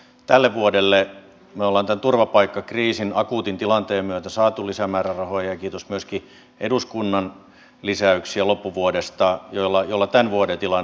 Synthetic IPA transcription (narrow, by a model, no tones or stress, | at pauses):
t̪ælːeʋʋuodelːe | meolːɑːnt̪ænt̪urʋɑpɑikːɑkriːsinɑkuːt̪int̪ilɑnt̪eːmmyøt̪æsɑːt̪ulisæmæːrærɑhojɑjɑkiːt̪osmyøski | ʔeduskunːɑn | lisæyksiælopːuʋuodest̪ɑjolːɑjolːɑt̪ænʋuodet̪ilɑn